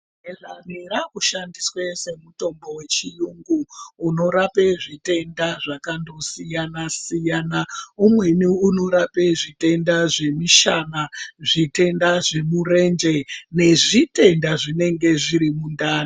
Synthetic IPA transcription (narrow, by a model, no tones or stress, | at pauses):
eʐaniɾakuʃandiswese̞muto̞mbo̞we̞t͡ʃijuŋɡuːno̞ɾapeʐite̞ndaʐakando̞sijanasijaːnaumwe̞niuno̞ɾapeʐite̞ndaʐe̞miʃanaʐite̞ndaʐe̞mure̞nd͡ʒe̞ne̞ʐite̞ndaʐine̞ŋɡe̞ʐiɾimundaːna